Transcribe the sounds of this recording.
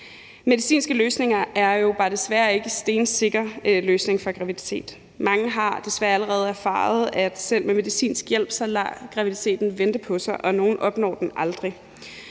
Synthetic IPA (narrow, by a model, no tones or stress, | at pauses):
me̝ð̞ˠisḭːnsɡ̥əløːsne̝ŋɐæɐjo̝b̥ɑ̈d̥e̝sʋæːɐe̝ɡ̥əsd̥e̝ːnse̝ɡ̥ɐløːsne̝ŋfɒɡ̥ʁɑ̈ʋid̥i̥t͡sʰe̝̰ːd̥ | mɑ̈ŋəɦɑ̈d̥e̝sʋæɐæləʁɛːð̞̩ˠæɐfɑ̰̈ːð̞̩ˠæd̥sel̰meme̝ðˠisḭːnsɡ̥jel̰b̥sɑlɑ̰ɡ̥ʁɑ̈ʋiðit͡sʰe̝̰ːd̥n̩ʋend̥əpʰɒ̽sɑ̈ɪʔɒ̽no̝ːn̩ʔɒ̽b̥nɒ̰ːd̥enɑ̈ld̥ʁi